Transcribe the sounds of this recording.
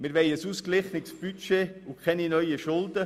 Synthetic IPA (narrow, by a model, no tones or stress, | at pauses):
mɪɾʋɛɪəsuːsklɪχnɪksb̥yt͡ʃeːʊkʰχɛninœʏjiʃʊldə